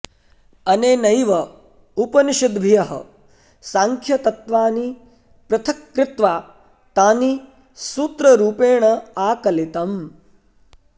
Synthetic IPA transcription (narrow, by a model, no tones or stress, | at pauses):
ɐneːnɐjʋɐ | upɐniʃid̪bʱijɐɦɐ̰ | saːŋkʰjɐt̪ɐt̪ʋaːni | pɾɐt̪ʰɐkːɾɪt̪ʋaː | t̪aːni | suːt̪ɾɐɾuːpeːɳɐaːkɐlit̪ɐm